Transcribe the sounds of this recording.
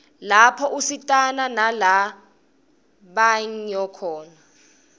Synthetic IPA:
lapʰɔʔusitʼananala | ɓaɲjɔkʰɔːna

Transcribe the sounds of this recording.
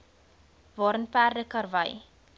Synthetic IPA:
vɑːɾənpærdəkɐrvəj

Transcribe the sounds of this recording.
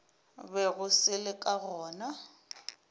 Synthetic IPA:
bɛɣʊsɪlɪkʼaɣɔːna

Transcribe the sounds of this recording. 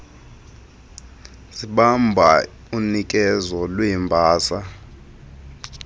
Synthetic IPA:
siɓambʱa | unik̬ʼɛzɔlwiːmbʱaːsa

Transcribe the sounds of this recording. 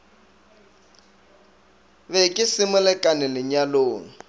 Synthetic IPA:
βɛkʼɪsɪmʊlɛkʼanɪlɪɲaloːŋ̩

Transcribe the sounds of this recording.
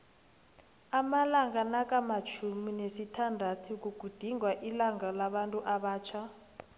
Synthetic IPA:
amalaŋanakʼamat͡ʃʰuminesitʰandʱatʰuk̬uɡ̥ʱud̥ʱiŋɡwaʔilaŋalaβantʼuʔaβaːt͡ʃʰa

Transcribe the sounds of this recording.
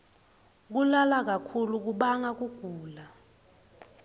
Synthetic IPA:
k̬ulalak̬akʰuluk̬uɓaŋak̬uɡ̥ʱuːla

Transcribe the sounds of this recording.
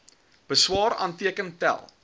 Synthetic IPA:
b̥əswɑːɾɑ̰ːntiəkəntæ̰lˠ

